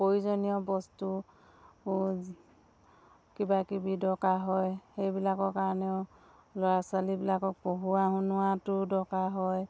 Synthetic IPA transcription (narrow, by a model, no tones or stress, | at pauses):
pojzɔnijɔbɔstu | kibakibidɔkaɦɔjxejbilakɔɹkaɹɔnɛʊ | lɔɹasalibilakɔk̚poɦuaɦunʊwatʊdɔkaɦɔj